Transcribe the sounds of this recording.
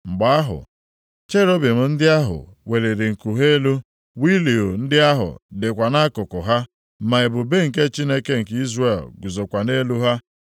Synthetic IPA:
ŋ͡m̩˨ɡ͡ba˨a˦ɦʊ̰˨ | t͡ʃe˦ɾo˦bi˨m̩˨n̩˦dɪ˦a˦ɦʊ̰˨we˨le˨ɾe˨ŋ̩˨ku˨ɦe˦e˦lu˦ | wi˦li˨o˨n̩˦dɪ˦a˦ɦʊ̰˨de˨kʷa˨na˦kʊ˨kʊ˨ɦa˦ | ma˨ɪ˨bʊ˨be˦ŋ̩˨ke˦t͡ʃi˦ne˦ke˦ŋ̩˨ki˦zre˨lɡʊ˨zo˨kʷa˨ne˦lu˦ɦa˦

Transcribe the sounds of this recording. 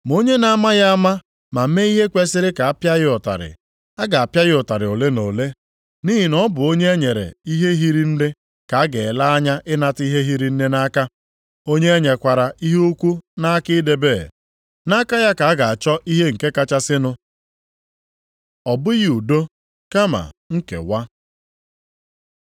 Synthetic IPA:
m˨o˦ɲe˦na˦a˦ma˦ja˦a˦ma˦ | ma˨m̩˦me˦i˦ɦe˦kʷe˦sɪ˦ɾɪ˦ka˨a˦pja˦ɣɪ˦ɔ˨ta̰˨ɾɪ̰˨ | a˦ɡa˨a˨pja˦ɣɪ˦ʊ˨ta˨ɾɪ˨o˨le˦no˨le˦ | ni˦ɦi˨nɔ˦bʊ˨o˦ɲe˦e˦ɲe˨ɾḛ˨i˦ɦe˦ɦi˦ɾi˦n̩˦dɪ˦ | ka˨a˦ɡe˨la˦a˦ɲa˦ʔɪ˦na˦ti˦ɦe˦ɦi˦ɾi˦n̩˦ne˦na˦ka˦ | o˦ɲe˦e˦ɲe˨kʷa˨ɾa˨i˦ɦe˦u˦kʷu˦na˦a˦kɪ˦de˨beː˦˨ | na˦ka˦ja˦ka˨˦ɡa˨a˨t͡ʃɔ˦ʔi˦ɦe˦ŋ̩˨ke˦ka˦t͡ʃa˦sɪ˦nʊ˦ | ɔ˨bʊ˦ji˦u˨do˦ | ka˦ma̰˨ŋ̩˦kḛ˨wa˦

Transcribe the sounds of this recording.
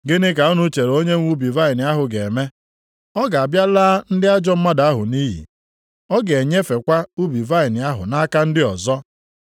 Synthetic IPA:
ɡɪ˦nɪ˦ka˨ɔ˦nʊ˦t͡ʃe˨ɾo˦ɲe˦ŋʷu˦bi˨va˦ɪ˨nɪ˨˦a˦ɦʊ˨ɡe˨me˦ | ɔ˦ɡa˨a˨bja˦laː˦n̩˦dɪ˦a˦d͡ʒɔ˦m̩˦ma˦da˨a˦ɦʊ˨niː˦ɦḭ˨ | ɔ˦ɡe˨ɲe˦fe˨kʷa˦u˦bi˨va˦ɪ˨nɪ˨a˦ɦʊ̰˨na˦ka˦n̩˦dɪ˦ɔ˨zɔ˦

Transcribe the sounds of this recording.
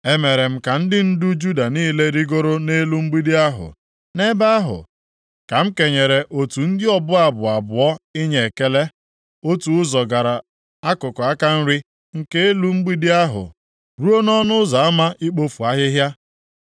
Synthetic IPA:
e˦me˨ɾe˨m̩˦ka˨n̩˦dɪ˦n̩˦dʊ˦d͡ʒu˦da˨niː˦le˦ɾi˦ɡo˦ɾo˦ne˦lu˦ŋ͡m̩˦ɡ͡bi˦di˦a˦ɦʊ̰˨ | ne˦ba˦a˦ɦʊ̰˨ | ka˨m̩˦ke˨ɲe˨ɾe˨ʔo˨tu˨n̩˦dɪ˦ɔ˦bʊ˦a˨bʊ˨a˨bʊ˨ɔ˦i˦ɲe˨e˨ke˦le˦ | o˦tu˨ʊ˦zɔ˨ɡa˨ɾa˨ | a˦kʊ˨kɔ˨a˦ka˦n̩˦ɾɪ˦ | ŋ̩˦ke˦e˦lu˦ŋ͡m̩˦ɡ͡bi˦di˦a˦ɦʊ̰˨ | ɾu˦o˦nɔ˦nʊ˦za˨a˦ma˦ʔi˦k͡po˦fu˨a˦ɦɪ˦ɦja˦

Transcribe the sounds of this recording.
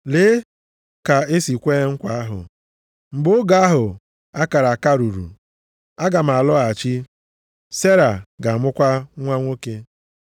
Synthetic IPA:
le˨˦ | ka˨e˦si˨kʷe˦ŋ̩˦kʷa˨a˦ɦʊ̰˨ | ŋ͡m̩˨ɡ͡bo˦ɡa˦a˦ɦʊ˨ | a˦ka˨ɾa˨a˨ka˦ɾu˨ɾṵ˨ | a˦ɡa˨m̩˨a˨lɔ˦a˨t͡ʃi˦ | se˦ɾa˨ɡa˨mʊ˦kʷa˦ŋʷa˦ŋʷo˦ke˦

